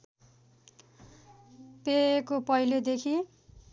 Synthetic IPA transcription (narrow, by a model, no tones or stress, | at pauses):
pekopʌjlod̪ekʰi